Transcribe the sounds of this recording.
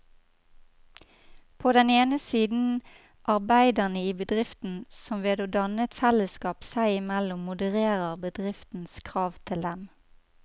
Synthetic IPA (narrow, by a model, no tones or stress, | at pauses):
pʰoːd̪ɛneːnəsiːd̪n̩ | ʔɑʁbæɪd̪əʁnəiːbəd̪ʁɪft̪n̩sɔmʋeːd̪oːd̪ɑnət̪fɛləskɑːpsæɪɪmɛlʊmːʊd̪əʁeːʁəʁbəd̪ʁɪft̪n̩skʰʁɑːʋt̪ʰɪld̪ɛm